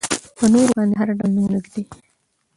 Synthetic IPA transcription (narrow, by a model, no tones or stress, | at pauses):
pənoɾobɑːnd̪eɦaɾaɖalnunnuɡd̪i